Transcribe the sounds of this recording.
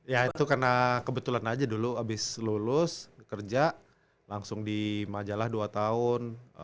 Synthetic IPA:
jait̪ukərnakəbət̪ulanad͡ʒaduluabɪslulʊskərd͡ʒa | laŋsʊŋdimad͡ʒalahduat̪aʊn

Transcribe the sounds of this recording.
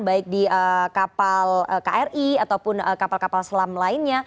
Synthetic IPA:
baɪk̚diəkapaləka̰ʔɛrʔiat̪awpʊnəkapalkapalsəlamlaɪnɲa

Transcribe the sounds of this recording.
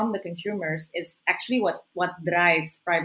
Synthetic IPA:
ɔ̃md̪əkɔ̃nsuːmə˞sɪsæk̚t͡ʃuəliwʌtwʌt̚dɾaɪvspɹaɪv

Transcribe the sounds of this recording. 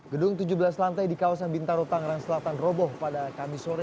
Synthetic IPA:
ɡədʊŋt̪ud͡ʒubəlaslant̪ajdikawasanbint̪aɾot̪aŋɾaŋslat̪anrɔbɔhpadakamisoɾɛ

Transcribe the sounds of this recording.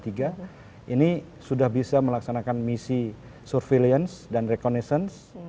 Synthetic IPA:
t̪iɡa | ʔini | sudahbisaməlaksanakanmisi | sɔrfeliənsdanrekonesəns

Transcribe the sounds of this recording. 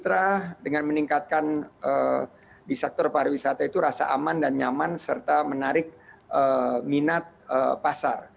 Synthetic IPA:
t͡ʃut̪ɾadəŋanməniŋkat̪̚kanə | disak̚t̪ɔrpaɾawisat̪ait̪uɾasa̰ʔamandanɲamansərt̪amənaɾɪk̚ʔəminat̪̚əpasa̰r

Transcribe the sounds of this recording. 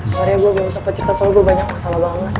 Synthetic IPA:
soɾiaɡuaɡuausahpət͡ʃərit̪asalaɡuabaɲak̚masalabaŋət̪

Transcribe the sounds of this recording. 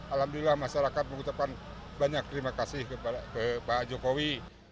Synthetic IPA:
alamduilahmaʃaɾakat̪̚məŋut͡ʃap̚kan | baɲak̚t̪ɾimakasɪhkəakəpad͡ʒokowi

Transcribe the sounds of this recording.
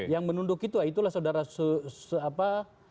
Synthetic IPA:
jaŋmənundʊkit̪uait̪ulahsaudaɾasəsəapa

